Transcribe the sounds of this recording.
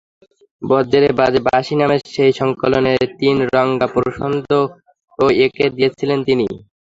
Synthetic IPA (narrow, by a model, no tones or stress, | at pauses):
bɔd͡ʑeɾebad͡ʑbaʃinameɾʃejʃɔŋkoloneɾt̪inɾɔŋɡapoɾɾoʃond̪ʱo | oekeɾd̪ijet͡ɕʰilent̪inḭ